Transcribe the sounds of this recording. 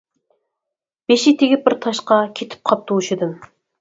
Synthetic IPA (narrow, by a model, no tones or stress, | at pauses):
b̥eʃit̪ʰeɡʲip̚bɪɾt̪ʰɑʃqɑkʲʰet̪ʰɪ̥p̚qʰɑp̚t̪ʰowuʃɪd̪ɨm